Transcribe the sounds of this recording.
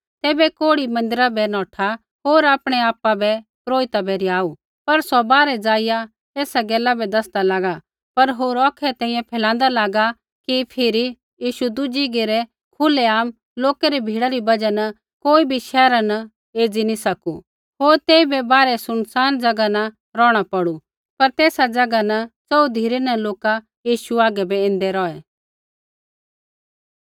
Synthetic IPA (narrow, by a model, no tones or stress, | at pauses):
t̪ɛːbɛkoːɽimɐ̃nd̪ɪɾabɛnɔːʈʰa | ɦoːɾaːpɽ̃ɛaːpabɛpɾoːɪt̪abɛɾiaːu | pɐɾsɔbaːɾɛd͡zaːɪja | eːsaɡɛːlabɛd̪ɐsd̪alaːɡa | pɐɾɦoːɾɔːkʰɛt̪ɛ̃ːĩjɛ̃pʰɛːlãːn̆d̪alaːɡa | kipʰɪɾi | jiːʃud̪ʊd͡ʒiɡeɾɛ | kʰʊleaːm | loːkɛɾibʱiːɽaɾibɐd͡ʒanɐ | koːibʱiʃɛːɾanɐ | eːd͡zinisɐkṵ | ɦoːɾt̪eːibɛbaːɾɛsʊnsaːnd͡ʒɐɡanɐ | ɾɔːɽ̃apɐɽu | pɐɾt̪eːsad͡zɐɡanɐt͡sɔud̪ʱiːɾɛnɐloːka | jiːʃuaːɡɛbɛẽːn̆d̪ɛɾɔːɛ